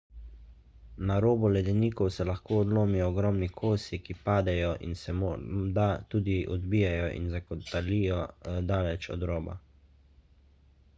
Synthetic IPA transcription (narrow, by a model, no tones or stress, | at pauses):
naɾoːbɔlɛd̪ɛniːkɔwsɛlaxkoːɔd̪loːmijɔːɡɾɔːmnikʰoːsikipaːd̪ɛjɔʔḭnsɛmod̪at̪uːd̪iʔɔd̪biːjajɔʔḭnzakɔt̪alijɔd̪aːlɛt͡ʃɔ̰d̪ɾoːba̰